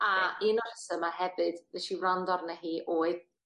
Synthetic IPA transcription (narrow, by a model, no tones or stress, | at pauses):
aɪːnɔr̥əsəmahɛvɨdðɛʃirandɔrnɛɦiːʔoːɨð